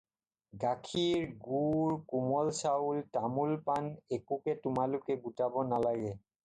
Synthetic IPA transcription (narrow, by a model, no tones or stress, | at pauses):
ɡakʰiɹɡuɹkumɔlsaultamulpanekukɛtʊmalʊkɛɡutabɔnalaɡɛ